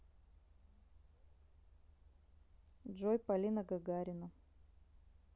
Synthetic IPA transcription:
dʐojpɐlʲinɐɡɐɡaɾʲɪnɐ

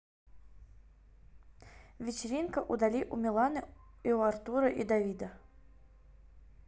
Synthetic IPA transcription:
vʲɪt͡ɕɪɾʲinkəʔud̪alʲiʔumʲɪlˠanɨiuart̪uɾəʔid̪avʲid̪ə

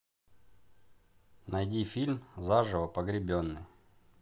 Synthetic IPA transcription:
nɐjdʲifʲilʲmzaʐɨvəpəɡɾʲɪbʲonːɨj

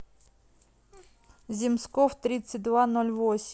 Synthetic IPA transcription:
zʲimskɔwt̪ɾʲit̪sət̚ʲd̪ʋanɔlʲvosʲ

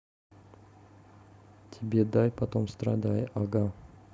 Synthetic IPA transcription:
tʲʰɪbʲed̪ajpɐt̪omst̪ɾɐ̰d̪ajʔaɡa

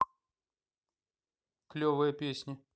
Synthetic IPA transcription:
klʲovɨjəpʲesʲnʲɪ

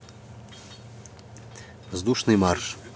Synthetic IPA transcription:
vzd̪uʂnɨmarʂ

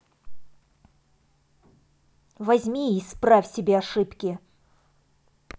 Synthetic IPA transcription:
vɐzʲmʲiispɾafʲsʲɪbʲeɐʂɨpkʲɪ

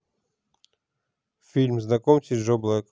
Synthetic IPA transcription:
fʲilʲmznɐkɔmsʲɪʐɔblˠək

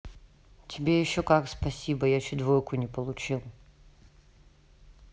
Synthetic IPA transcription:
tʲʰɪbʲejɪɕːokakspɐsʲibəjat͡ɕɪd̪vojkʰʊnʲɪpəlˠʊt͡ɕilˠ

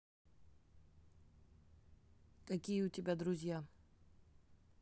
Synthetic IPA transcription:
kɐkʲijəʊtʲɪbʲad̪ɾʊzʲja

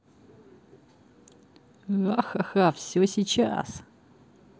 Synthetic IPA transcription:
ɣaxaxafsʲosʲit͡ɕa̰s

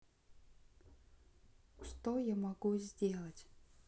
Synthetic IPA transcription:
ʂt̪ojamɐɡuzʲdʲelˠətʲ

